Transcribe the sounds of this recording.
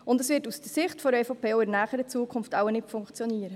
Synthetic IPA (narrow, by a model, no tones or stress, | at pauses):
ʊndɛsʋɪtusd̥əsɪχtfɔɾɛfopʰeːoɪnæːχəɾət͡suːəkʰʊnftawənɪtfʊŋkt͡sjɔniːəɾə